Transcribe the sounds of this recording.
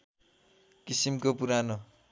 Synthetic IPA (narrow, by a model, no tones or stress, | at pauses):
kisimkopuɾano